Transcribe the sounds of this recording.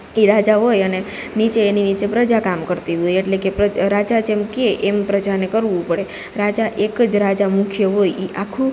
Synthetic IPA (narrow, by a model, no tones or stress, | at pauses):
iɾad͡ʒaɦojəne | nit͡ʃeːninit͡ʃepɾəd͡ʒakamkəɾt̪iɦojeʈlekepɾəɾad͡ʒat͡ʃʰemkeːmpɾəd͡ʒanekəɾʋũpəɽe | ɾad͡ʒaʔekd͡ʒɾad͡ʒamũkʰjəɦojiʔakʰũ